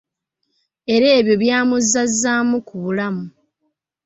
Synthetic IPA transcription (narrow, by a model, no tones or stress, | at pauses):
e̞ɾe̞ːβjo̞βjaːmuzːazːaːmukuβulamu